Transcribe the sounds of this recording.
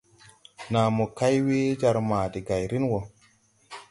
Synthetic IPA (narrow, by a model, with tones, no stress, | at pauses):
naː˨mo˨ka˦jwe˦d͡ʒa˧ɾmaː˨di˨ɡa˨jɾi˦nwo˨